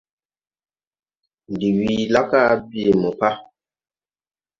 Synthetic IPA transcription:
n˨di˨wi˨la˦ka˦bi˦˨mu˨pa˦

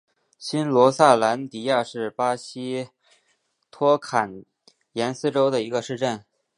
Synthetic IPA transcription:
ɕi˥nlwɔ˧˥sa˥˩la˧˥nt̪i˨˩ja˥˧ʂɻ̩˥˩pa˥ɕi˥ | t̪ʰwɔ˥kʰa˨˩n | jɛ˧˥nsɹ̩˥ʈ͡ʂo˥ʊd̪ə˨i˧˥ɡə˧ʂɻ̩˥˧ʈ͡ʂə˥˩n

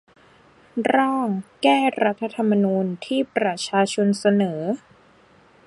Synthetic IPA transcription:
ɾaː˥˩ŋkɛː˥˩ɾa˦˥t̪ʰːa˧t̪ʰa˧mːa˧nuː˧nt̪ʰiː˥˩pɾa˧t͡ɕʰaː˧t͡ɕʰo˧nsa˧nɤː˩˦

